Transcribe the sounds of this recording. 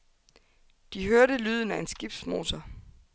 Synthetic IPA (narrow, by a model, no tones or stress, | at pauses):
d̥iɦøɐɾəlyːð̞ˠn̩æe̝nsɡ̥ib̥d̥smo̝̰ːt͡sʰɐ